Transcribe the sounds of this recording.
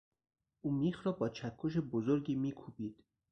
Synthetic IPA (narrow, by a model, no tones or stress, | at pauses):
ʔuːmiːxɾɒːbɒːt͡ʃʰækʰːoʃ̬ebozoɾɡiːmiːkʰubiːd̪̥